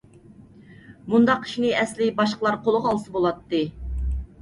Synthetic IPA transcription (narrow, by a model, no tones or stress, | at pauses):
mund̪ɑqʰːi̥ʃinɨɛslɪbɑʃqəlˠɑɾqolˠəʁɑlˠsɨbolˠɑt̪ːɨ